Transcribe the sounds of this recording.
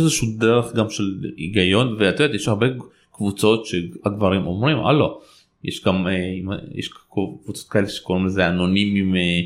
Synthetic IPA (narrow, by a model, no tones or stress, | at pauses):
ezeʃudeʁeχɡamʃeliɡajo̞nveat̪vet̪jeʃaʁbe | kvut͡so̞t̪ʃeaɡvaʁimʔomʁimʔa̰lo | jḛʃɡameimajḛʃkkvut͡sot̪kaeleʃe̥koʁimlezeano̞nimime